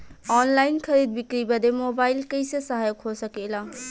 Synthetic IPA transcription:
ɔnlajinkʰəɾid̪̚bikɾibəd̪emobajlkəjsʌsʌɦajokʰɦosʌkela

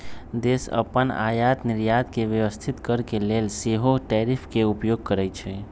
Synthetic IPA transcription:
d̪eːsə̰pəna̰ːjaːt̪nɪɾjaːt̪keʋjəʋəst̪ʰit̪kəɾkeleːlseɦoʈɛːɾipʰkeupjoːɡ̚kəɾɛt͡ʃʰɛ

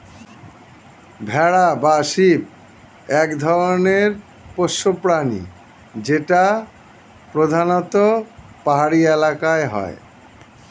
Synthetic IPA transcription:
bʱɛɽabaʃip̚ | ɛkd̪ʱɔɾoneɾ | poʃːopɾanḭ | d͡ʑeʈa | pɾod̪ʱanot̪o | paɦaɽielakaeɦɔ̰e

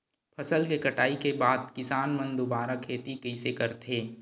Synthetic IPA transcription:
pʰɐsəlkekɐʈaːikebaːd̪̚kɪsaːnmɐ̃nd̪ubaːɾakʰeːt̪ikɐisekɐɾt̪ɦeː

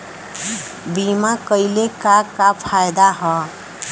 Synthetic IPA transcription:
bimakʌjlekakapʰajd̪aɦɔ

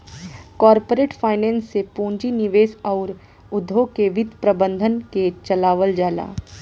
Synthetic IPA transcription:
kɔːɾpoɾeːʈfʰaːɪnɛ̃ːnsːepũːɲd͡ʒinɪʋeːsɔːɾ | ʊd̪ʱːõkeʋɪd̪ʱpɾɐbə̃nd̪ʱənket͡ʃɐlaːʋəld͡ʒaːla̰ː

